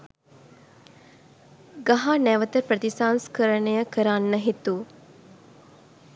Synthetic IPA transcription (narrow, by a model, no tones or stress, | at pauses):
ɡaɦanæʋət̪əprət̪isanskəɾənəjəkəɾanːəɦit̪u